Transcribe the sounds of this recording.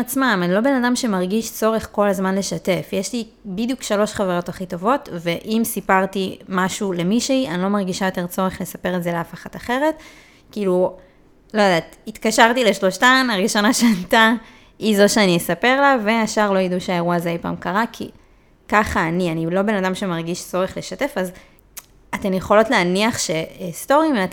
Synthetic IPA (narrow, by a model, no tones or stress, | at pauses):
at͡smamanilo̞be̞nadamʃe̞maʁɡiʃt͡so̞ʁe̞χko̞lazmanle̞ʃate̞fjeʃli | bidjukʃalo̞ʃχaveʁo̞taχito̞vo̞tve̞ʔimsipaʁtimaʃule̞miʃeiʔanilo̞maʁɡiʃajo̞t̪e̞ʁt͡so̞ʁeχle̞sape̞ʁetzeleafaχataχe̞ʁe̞t | kiːlu | lo̞jodaːtit̪kaʃaʁtileʃlo̞ʃtanaʁiʃo̞naʃeata | izo̞ʃeaniesape̞ʁlave̞aʃaʁlo̞jiduʃeaeʁuazeajpa̰ːmkaʁakʰḭ | kaχaːnianilo̞be̞nadamʃemaʁɡiʃt͡so̞ʁe̞χle̞ʃate̞faz | ate̞mjeχo̞lo̞tleaniaχʃe̞sto̞ʁimeat